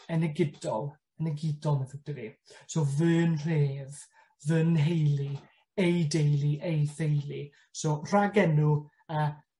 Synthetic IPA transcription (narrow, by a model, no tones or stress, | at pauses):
ənɛɡɪdɔlˠ | ənɛɡɪdɔlˠmɛðɪd̥əɾisovɨːnr̥eːð | vənɦejlˠi | ejdejlˠiʔejθejlˠi | soːr̥aɡɛnu | a